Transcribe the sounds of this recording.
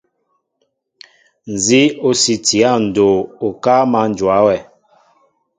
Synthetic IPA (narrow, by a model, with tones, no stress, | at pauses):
n̩˨zi˦o˦si˨ti˨a˦˨n̩˨do˨o˨ka˦ma˨˦n˨d͡ʒwa˨˦wɛ˨